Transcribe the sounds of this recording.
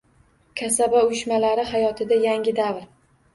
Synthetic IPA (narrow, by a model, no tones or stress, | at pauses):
kʲʰasabaʊjɪʃmalaɾɪɦajɒt̪ʰɪd̪ajaŋʲɪd̪avɾ